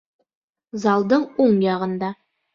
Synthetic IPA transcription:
zɑlˠd̪ɤɴoɴjɑʁɤ̆nd̪ɑ

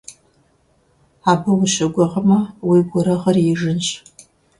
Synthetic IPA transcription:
aːbɨwʊʃɐɡʷɐʁɐmɐwiɡʷʊɾɐʁɐrjiʒɨnɕʼ

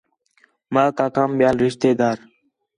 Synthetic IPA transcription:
maːkaːkaːmɓɪjaːlɾɪʃt̪eːd̪aːɾ

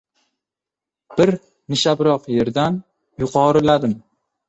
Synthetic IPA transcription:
b̥ɪɾ | nɪʃabɾɒqje̞ɾd̪an | jʊqʰɒɾɪlad̪ɪm

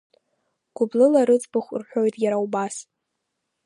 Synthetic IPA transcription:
ɡ̥ʷʊblɨlaɾɨt͡sʼbɨχʷrħᶣo̞jtʼjaɾawbas

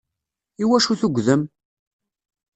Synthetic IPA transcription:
iwæʃuθuɡʷðəm

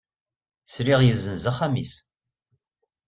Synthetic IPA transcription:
sɾiʁjəzənzəχæmḭs

